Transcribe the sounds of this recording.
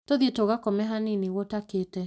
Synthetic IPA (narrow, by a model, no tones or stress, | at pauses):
toðietoɣakɔmɛɦaniniɣwɔtakeːtɛ